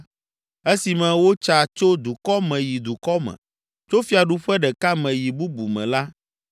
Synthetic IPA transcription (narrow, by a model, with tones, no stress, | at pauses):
e˦si˨mɛ̃˨wo˦t͡ʃa˨t͡ʃo˦d̪u˨kɔ˦mɛ̃˨ji˨d̪u˨kɔ˦mɛ̰̃˨ | t͡ʃo˦fi˦a˨ɖu˦ɸɛ˦ɖɛ˨ka˦mɛ̃˨ji˨bu˦bu˨mɛ̰̃˨la˦